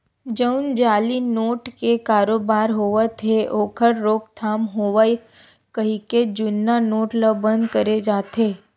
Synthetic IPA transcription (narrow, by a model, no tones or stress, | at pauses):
d͡ʒəʊnd͡ʒaːlinoːʈkekaːɾoːbaːɾɦoːʋət̪ʰeʔoːkʰəɾɾoːkt̪ʰaːmɦoːʋəi | kɐɦiked͡ʒʊnːanoːʈləbə̃nd̪kəɾed͡ʒaːt̪eː